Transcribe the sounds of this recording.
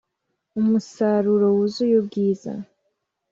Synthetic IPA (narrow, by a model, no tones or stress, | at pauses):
umusaɾuɾowuzujobɡiːza̰